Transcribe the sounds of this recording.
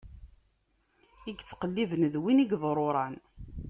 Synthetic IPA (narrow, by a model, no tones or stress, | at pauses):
iɡt͡sːqəlːivənðwiniɡðˤɾˤoɾˤɑn